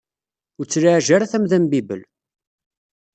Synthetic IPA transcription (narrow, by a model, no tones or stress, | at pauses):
ʊt͡sːɾaʕʒaɾaθæmðæmbibə̰l